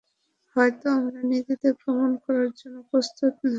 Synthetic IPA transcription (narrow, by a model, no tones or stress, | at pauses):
hɔet̪oɔŋɾanit̪it̪epɾomankɔɾaɾd͡ʑonːopɾost̪ʰot̪̚